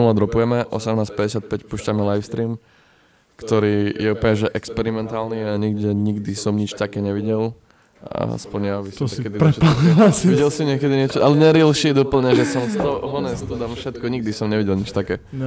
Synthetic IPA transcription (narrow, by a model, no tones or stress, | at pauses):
ulad̪ɾɔpujɛmɛʔɔsɛmnaːspɛɟɛsɪat̪̚pɛcpuːʃcamɛlajfst̪ɾiːm | kt̪ɔɾiːjɛupl̩ɲɛʒɛʔɛkspɛɾimɛnt̪aːlniaɲiɡɟɛɲiɡd̪isɔmɲit͡ʃt̪akɛːɲɛʋiɟɛl | a̰spɔɲjaʋismɲɛkɛd̪iɛasʋiɟɛlsimɲɪɛkɛd̪iɲɪɛt͡ʃɔʔalɛɲɛɾilʃid̪upl̩ɲɛʒɛsɔmst̪ɔɦɔnɛst̪ud̪amfʃɛt̪kɔɲiɡ̚d̪isɔmɲɛʋiɟɛlɲit͡ʃt̪akɛː